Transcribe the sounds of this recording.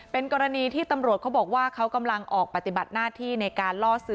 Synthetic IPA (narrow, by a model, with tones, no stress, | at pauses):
pe˧nkɔː˧ɾa˧niː˧t̪ʰiː˥˩t̪a˧mɾu˨˩ət̚kʰbɔː˨˩k̚waː˥˩kʰa˦˥wka˧mla˧ŋʔɔː˨˩k̚pa˨˩t̪i˨˩ba˨˩t̪̚naː˥˩t̪ʰiː˥˩na˧jkaː˧nlɔː˥˩sɯ˦˥